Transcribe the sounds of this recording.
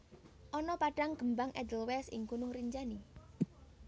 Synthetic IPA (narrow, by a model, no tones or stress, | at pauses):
ʔɔnɔpaɖ̥aŋɡ̥əmbaŋʔɛ̰d̪əlwɛsɪ̰ŋkunʊhriɲd͡ʒani